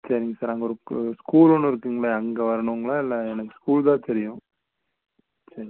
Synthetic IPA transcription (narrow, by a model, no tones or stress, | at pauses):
sɐɾɪŋɡɐsaːɾnaːŋɡɐɔɾɯskuːlɔnːɯɪɾɯkːɯŋɡɐɭɐɐŋɡɐʋɐɾɐɳɯŋɡɐɭãːɪlːɐɛnɐkːɯ̥skuːld̪ãːt̪ɛɾɪjʊ̃ | sɐɾɪ